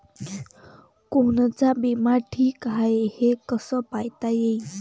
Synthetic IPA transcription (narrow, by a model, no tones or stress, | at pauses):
kont͡sabimaʈʰiːkɦaehekəsəpajt̪ajei